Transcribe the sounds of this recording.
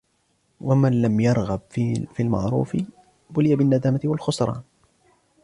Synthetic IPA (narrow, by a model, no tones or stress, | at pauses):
wamanlamjɑɾˤɣabfiːlma̰ʕɾˤṵːfɪ | bʊlɪjabɪnːad̪aːmat̪ɪwalxʊsˤɾˤɑ̰ːn